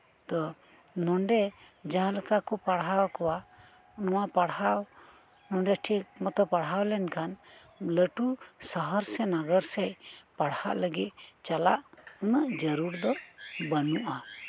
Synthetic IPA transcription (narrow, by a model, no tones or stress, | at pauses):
d̪ɔ | nɔɳɖɛ | d͡ʒaləkakɔpaɽɦawkɔwa | nɔwapaɽhaw | nɔɳɖɛʈʰik̚mɔt̪ɔpaɽɦawlɛnkʰan | ləʈusəɦəɾsɛnaɡəɾsɛjpaɽha̰ʔləɡit̪̚t͡ʃalaʔunəʔd͡ʒəɾuɾd̪ɔbənuʔa